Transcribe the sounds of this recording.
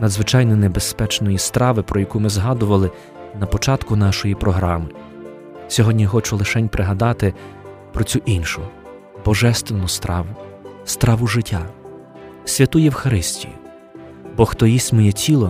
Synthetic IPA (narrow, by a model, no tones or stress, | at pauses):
nɐd̪zʋɪt͡ʃɑjnɔnebespɛt͡ʃnɔjist̪ɾɑʋɪpɾɔjɐkumɪzɦɑd̪ʊʋɐlˠɪ | nɐpɔt͡ʃɑt̪kʊnɑʃɔjipɾɔɦɾɑmɪ | sʲɔɦɔdʲnʲixɔt͡ʃʊlˠɪʃɛnʲpɾʔɪɦɐd̪ɑt̪ɪ | pɾɔt͡sʲuʔinʃʊ | bɔʒɛst̪ʋenʊst̪ɑʊ | st̪ɾɑʋʊʒɪtʲːa | sʲʋʲɐt̪ujɛwxɐɾɪsʲtʲḭjḭ | bɔxt̪ɔjisʲtʲmɔjɛtʲʰilˠɔ